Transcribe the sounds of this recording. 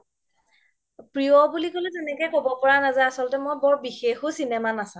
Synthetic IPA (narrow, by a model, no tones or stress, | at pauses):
pɹiɔbulikolɛtɛnɛkɛjkobɔpɔɹanazajasɔlɔtɛmojbɔɹbixexʊsinɛmanasã